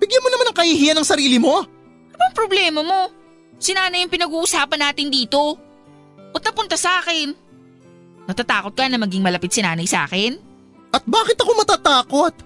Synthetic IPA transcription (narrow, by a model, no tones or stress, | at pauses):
b̥ɪɡjɐnmonɐmanɐŋkɐhiɦiːɐnɐŋsɐɾiːlɪmo̞ | lbɐŋpɾoblɛːmɐmo̞ | sɪnaːnɐjɐŋpɪnɐɡuːʔʊsaːpɐnːaːt̪ɪnd̪iːt̪o̞ | ʔɐt̪̚nɐpʊnt̪ɐsɐʔaːkɛn | nɐt̪at̪aːko̞t̪̚kɐnɐmɐɡɪŋmɐlɐpɪt̪̚sɪnaːnɐjsɐʔa̰ːkɛn | ʔɐt̪̚baːkɪt̪ɐkomɐt̪aːt̪aːko̞t̪̚